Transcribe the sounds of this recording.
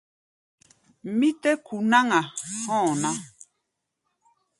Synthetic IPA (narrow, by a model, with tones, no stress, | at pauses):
mi˦t̪ɛ˦kʰu˨na˦ŋa˨hɔ̃˦˨nã˦